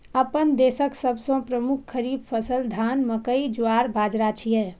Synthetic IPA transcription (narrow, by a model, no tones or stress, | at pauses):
əpənd̪esəksəbsə̃pɾəmukʰkʰːəɾib̚pʰəsəld̪ʱanməkəid͡ʒuaɾbʱad͡ʒɾat͡ʃʰijɛ